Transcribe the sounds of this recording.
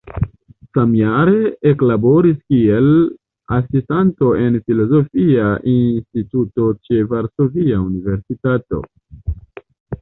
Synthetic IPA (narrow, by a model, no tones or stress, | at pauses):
samjaɾe̞eklabo̞ɾiskie̞l | asistanto̞e̞nfilo̞zo̞fiaʔinstituto̞t͡ʃe̞vaɾsoviaunive̞ɾsitato̞̰